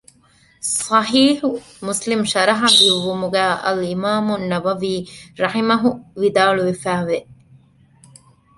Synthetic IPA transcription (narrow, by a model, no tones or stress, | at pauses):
sɑħiːħu | muslimʃɐɾɐɦɐd̪iʋːumuɡæːʔɐ̰limaːmunːɐʋɐʋiːɾɐħimɐɦuʋid̪aːɭuʋefæːʋe